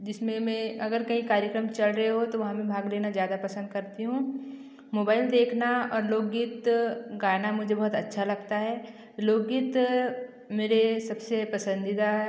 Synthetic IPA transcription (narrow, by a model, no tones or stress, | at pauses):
d͡ʒɪsmẽmɛ̃ɐɡəɾkɐɦĩkaːɾjəkɾəmt͡ʃɐlɾɐɦeɦot̪oʋɐɦãmẽbʱaːɡleːnazjaːd̪apɐsə̃nd̪kɐɾt̪iɦũː | moːbaːɪld̪eːkʰnaɔːɾloːɡɡiːt̪ɡaːnamʊd͡ʒʱebɐɦʊt̪ɐtːʃʰalɐɡt̪aɦɛː | loːɡːiːt̪ | meːɾesɐbsepɐsə̃nd̪ɪd̪a